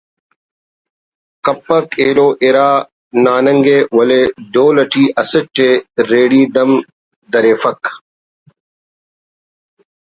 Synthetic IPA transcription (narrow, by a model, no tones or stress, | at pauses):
kɐpːɐkeːloːʔeɾaː | naːnɐŋɡeːwɐleɖoːlɐʈiːʔɐsɐʈːeɾeːɽiːd̪ɐm | d̪ɐɾeːfɐk